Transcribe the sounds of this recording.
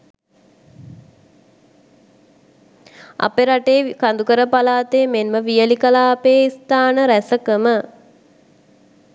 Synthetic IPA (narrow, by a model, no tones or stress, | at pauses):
a̰peɾaʈeːkand̪ukəɾəpalaːt̪eːmenməʋijəlikəlaːpeːist̪aːnəɾæsəkəmə